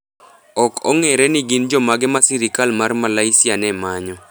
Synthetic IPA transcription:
ɔkɔŋɛɾɛnɪɡɪnd͡ʒɔmaɡɛmasiɾikalmarmalaisɪanɛmaɲɔ

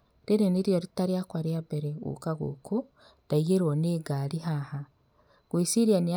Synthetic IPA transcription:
ɾiɾeniɾjoɾitaɾiakwaɾiabeɾeṵkaɣṵkʰu | d̥aiɣeɾoneːɡaɾiɦaha | ɡ̥wisiɾiania

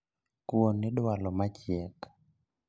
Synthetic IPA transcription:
kwonɪɗwalɔmat͡ʃjɛk

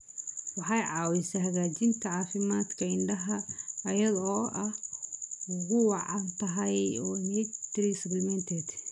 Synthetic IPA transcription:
wɑħɑjʕɑːwɪsɐɦɐɣaːt͡ʃɪnt̪ʰɐʕɑːfɪmaːd̪kʰɐɪɳɖɐɦɐːjɐðɔːʔɐh | ʊɣʊwɑʕɑnt̪ʰɐɦɐjɔːnɛt̪ɾisɐblɪmɛnt̪ʰɛd̪̥

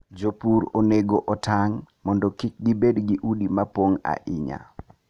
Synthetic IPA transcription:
d͡ʒopuɾoneɡoʔɔtaŋmɔndɔkik̚ɡibedɡiʔudimapoŋa̰ʔɪɲa̰

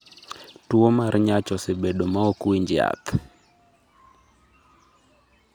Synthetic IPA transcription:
twomarɲat͡ʃɔsebeɗomaokwiɲd͡ʒɪa̰t̪

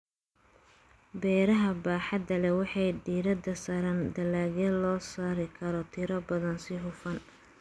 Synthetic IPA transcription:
bɛːɾɐɦɐbaːħɑd̪ɐlɛwɑħɑjɖiːɾɐd̪ɐsɐɾand̪ɐlaːɣɛlɔːsaːɾɪkʰɐɾɔt̪ʰɪɾɐbɐðɐnsɪɦʊfɐn

